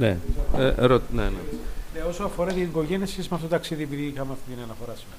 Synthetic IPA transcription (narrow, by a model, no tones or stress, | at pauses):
nḛ | ɾot̪nenḛneo̞soɐfoɾɐt̪iɐiɡo̞ʝeniɐsçesizmftotot̪ɐksiðiep̬iðikɐmɐft̪it̪iniɐnɐfo̞ɾɐs